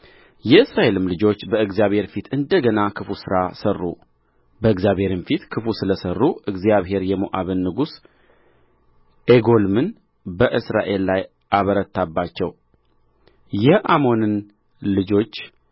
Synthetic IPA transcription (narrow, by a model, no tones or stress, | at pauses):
jɛɨsɾaʔe̞lɨmlɨd͡ʒo̞t͡ʃːbəɨɡzjaβhe̞ɾfit̪ʰɨnd̪əɡənakʰɨfusɨɾasərːu | bəɨɡzjaβhe̞ɾɨmfit̪kʰɨfusɨləsərːuɨɡzjaβɦe̞ɾjɛmoʔaβɨnːɨɡus | ʔeɡo̞lmɨn | bəʔɨsɾa̰ʔe̞lːaj | ʔaβəɾət̪ʰːabːat͡ʃːɛw | jɛʔamo̞nɨn | lɨd͡ʒo̞t͡ʃː